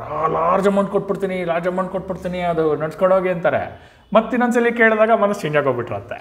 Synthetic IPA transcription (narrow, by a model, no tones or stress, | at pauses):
aːlaːɾd͡ʒɐmɐwɳʈkoʈ̚ːbiɽt̪iːnilaːɾd͡ʒɐmɐwɳʈ̚koʈ̚biɽt̪iːniɐd̪unɐɽskoɽoːɡiɐnt̪aːɾḛ | mɐt̪ːinɐnsɐlːikeːɭd̪aːɡɐmɐnɐst͡ʃeːɲd͡ʒaːɡoɡbiʈːɾɐ̰nt̪ːḛ